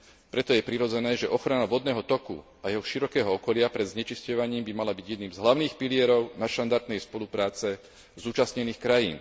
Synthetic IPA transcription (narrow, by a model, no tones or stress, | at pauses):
pɾɛt̪ɔjɛpɾiɾɔd͡zɛnɛːʒɛʔɔxɾanaʋɔd̪nɛːɦɔt̪ɔkṵ | ajɛɦɔʃiɾɔkɛːɦɔɔkɔlɪapɾɛd̪zɲɛt͡ʃiscɔʋaɲiːmbimalabiɟjɛd̪niːmzɦlaʊniːxpilɪɛɾɔʊnaʃt̪and̪aɾt̪nɛjspɔlupɾaːt͡sɛ | zuːt͡ʃasɲɛniːxkɾajiːn